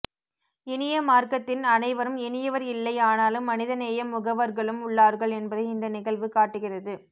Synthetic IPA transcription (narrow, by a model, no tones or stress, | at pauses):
ɪnɪjɐmaːɾkɐt̪ːɪnɐnɐɪʋɐɾɯmɪnɪjɐʋɐɾɪlːɐɪaːnaːlɯmːɐnɪðɐneːjɐmːʊɣɐʋɐɾɣɐɭɯmʊɭːaːɾɣɐɭɛnbɐðɐɪɪnd̪ɐnɪɣɐɭʋɯkaːʈːɯɣɪrɐðɯ